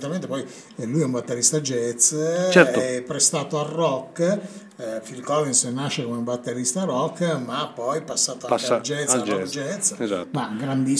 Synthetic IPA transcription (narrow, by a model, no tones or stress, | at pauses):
t̪ːament̪epɔj | lujɛumbat̪ːeɾist̪ad͡ʒɛt̪st͡ʃɛt̪ɛpːɾest̪aːt̪oarːɔkː | filkɔlensnaʃːekomeumbat̪ːeɾist̪aɾɔkːmapːɔjpasːaːt̪oakad͡ʒɛt̪sd͡ʒɔd͡ʒɛt̪sza̰maɡɾand̪i